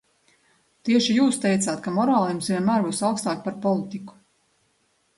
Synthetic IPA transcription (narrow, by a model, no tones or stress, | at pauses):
t̪iɛʃijuːst̪ɛjt̪saːt̪kamɔɾaːlˠimsvʲiɛnmæːɾbuːsawkst̪aːkpaɾpɔlˠit̪iku̥